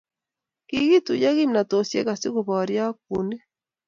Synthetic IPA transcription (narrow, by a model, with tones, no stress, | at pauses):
ki˦ɣi˦tu˨ja˦ɣi˦mna˨to˨sjḛ˦ka˨si˦ɣo˨βɔ˨ɾja˦k̚u˨ne˦